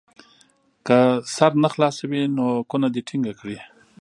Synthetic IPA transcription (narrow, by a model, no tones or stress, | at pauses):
kəsaɾnaxlɑsawinokunad̪iʈʰiŋɡakɽi